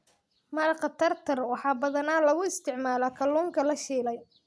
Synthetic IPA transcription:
mɐɾqɐt̪ʰɐrt̪ʰɐrwɑħɑːbɐðɐnaːlɐɣʊɪst̪ʰɪʕmaːlɐkʰɐlːuːŋkʰɐlɐʃiːlɛj

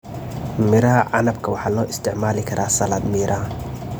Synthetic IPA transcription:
mɪɾɐɦɐʕɑ̰nɐbkʰɐwɑħɑːlɔːʔɪst̪ʰɪʕmaːlɪkʰɐɾʔaːsɐlɐd̪mɪɾʔɐ

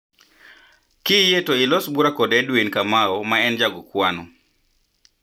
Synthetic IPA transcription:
kɪjetoɪlɔsbuɾakɔdɛdwinkamaɔmaɛnd͡ʒaɡɔkwanɔ

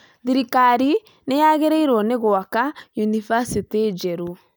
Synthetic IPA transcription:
ðiɾikaɾi | nejaɣeɾɛiɾwɔneɣoakajunivasited͡ʒɛɾu

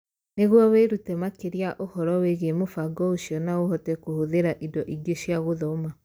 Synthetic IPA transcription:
neɣwɔweɾutɛmakeɾiaʔohɔɾɔweɣemofaɡɔoɕiɔnaohɔtɛkohoðeɾaʔidɔʔiɡeʃjaɣoðɔma

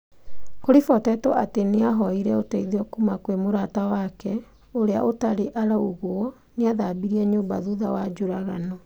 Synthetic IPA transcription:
koɾifɔtɛtɔʔateneaɦɔiɾɛotɛiðeɔkumakwemoɾatawakɛ | oɾea̰ʔotaɾeʔaɾaoɣwɔ | neaðabiɾiɛɲoːmba̰ðuðawad͡ʒoɾaɣanɔ

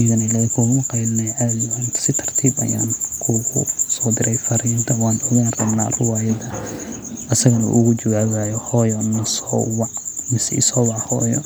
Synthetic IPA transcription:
ɣɐnɐlakʰʊwmʊqɑjlnɛjʕadɪwansɪt̪ʰɐr̥t̪ʰiːbɐ̰ja̰ːnkʰʊɣʊsɔːd̪ɪɾɛjfɐɾiːnt̪ʰɐwɑːnɔɣaːnrɐbna̰ːrʊwaːjɐðɐ | ʔɐsɐɣɐnṵʔʊɣʊt͡ʃʊwaːwaːjɔhɔːjɔnɐsɔːwɑʕmɪsɛ̰sɔːwɑʕhɔːjɔ̰

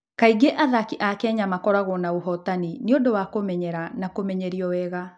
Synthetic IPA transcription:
kaiɡeʔaðakiʔakɛɲamakɔɾaɣɔnaoɦɔtanineodowakomɛɲɛɾanakomɛɲɛɾiɔwɛɣa

